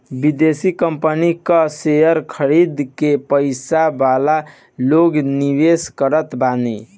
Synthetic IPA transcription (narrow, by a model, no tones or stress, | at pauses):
bid̪esikəmpənikəsejəɾkʰəɾid̪kepəɪsabala | loɡniʋeskəɾət̪bani